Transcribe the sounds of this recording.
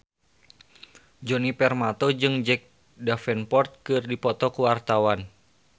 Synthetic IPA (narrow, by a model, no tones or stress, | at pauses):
d͡ʒɔnipɛrmat̪od͡ʒɨŋd͡ʒɛk̚ | dafɛnpɔrt̪̚kɨrdipɔt̪ɔkuwart̪awan